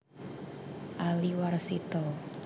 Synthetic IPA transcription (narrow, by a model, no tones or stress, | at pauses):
ʔaliwarsit̪ɔ